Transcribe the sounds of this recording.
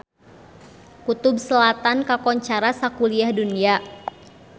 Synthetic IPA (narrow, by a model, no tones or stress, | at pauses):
kut̪ʊb̚səlat̪ankakɔɲt͡ʃaɾasakuliahdunia